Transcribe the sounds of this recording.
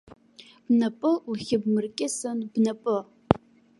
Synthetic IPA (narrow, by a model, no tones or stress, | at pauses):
b̥nɐpʼɨuxʲɪb̚mɨrkʲʼɪsɐnb̥nɐpʼɨ